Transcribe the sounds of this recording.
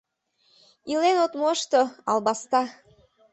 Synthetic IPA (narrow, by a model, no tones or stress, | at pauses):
ilenot̪moʃt̪oɑlˠbɑst̪ɑ